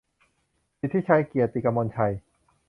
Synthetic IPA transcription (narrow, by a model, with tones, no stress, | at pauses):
pi˧˩t̪ʰːi˦˥˩t͡ɕʰa˧jki˨˩ət̪ːi˨˩ka˧mo˧nt͡ɕʰa˧j